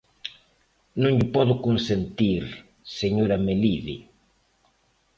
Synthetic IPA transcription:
nõŋʎɪpɔðʊkonsent̪iɾ | seɲoɾameliðḭ

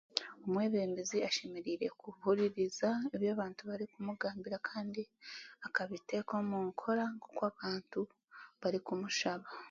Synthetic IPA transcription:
omwe̞ːβe̞ːmbeziaʃe̞meɾiːɾe̞̰kuhuɾiɾizaeβjaːβaːntuβaɾikumuɡaːmbiɾakʰaːndiakaβite̞ːko̞muːŋkʰo̞ɾaŋɡokwaːβaːntu | βaɾikumuʃaβa

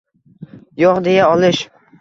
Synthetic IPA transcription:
joqd̪e̞jaɒlˠɪʃ

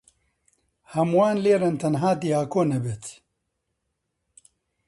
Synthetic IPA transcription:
hɐmwaːnleːɾɐnt̪ʰɐnɦaːd̪iaːkoːnɐbet̪ʰ

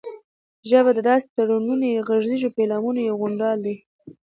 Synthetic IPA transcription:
ʒəbad̪əd̪ɑse̥t̪aɽununojeɣaʒdiʒopelɑmunojeɣʊɳɖɑld̪i

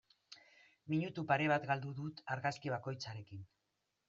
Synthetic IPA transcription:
miɲut̪upaɾe̞β̞at̪ɡald̪uðut̪aɾɣaskiβ̞ako̞jt͡saɾe̞kin

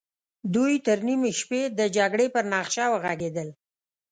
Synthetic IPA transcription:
d̪ujt̪əɾnimeʃped̪əd͡ʒaɡɽepəɾnɑxʃɑwəɣaɡed̪əl

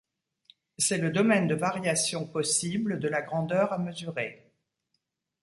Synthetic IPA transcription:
sɛləd̪ɔmɛnd̪əvaʁjasjɔ̃pɔsibləd̪əlaɡʁɑ̃d̪œʁaməzyʁe

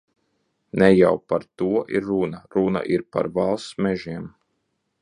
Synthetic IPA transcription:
nɛja̰wpaɾt̪uɔʔiɾːunaɾuna̰ʔiɾpa̰ɾvalˠsmʲɛʒiɛm

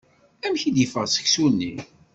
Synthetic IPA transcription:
æmçid̪jəfəʁsə̥çsunːḭ

